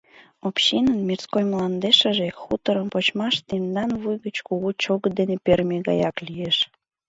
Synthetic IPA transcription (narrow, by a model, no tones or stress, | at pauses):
opɕinənmirskojmlɑnd̪eʃəʒexut̪əɾəmpot͡ɕmɑʃt̪end̪ɑnβujɣət͡ɕkuɣut͡ɕoɣəd̪enepermeɣɑ̰jɑklijeʃ